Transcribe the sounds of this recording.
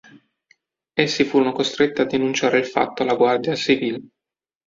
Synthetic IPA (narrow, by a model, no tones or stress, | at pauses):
esːifuːɾonokost̪ɾet̪ːiad̪ːinunt͡ʃaːɾeilfa̰t̪ːoalːaɡward̪jat͡ʃivile